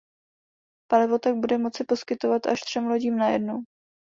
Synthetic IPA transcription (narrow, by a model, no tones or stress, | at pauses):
palɪvo̞t̪aɡ̚budɛmo̞t͡sɪpo̞skɪt̪o̞vat̪a̰ʃt̪r̝̥ɛmlo̞ɟiːmnajɛ̰dnow